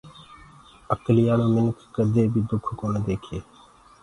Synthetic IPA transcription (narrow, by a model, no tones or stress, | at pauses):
əklɪjaːnoːmɪnkʰkəd̪eːbʱiːd̪ʊkʰkoːneːd̪eːkʰeː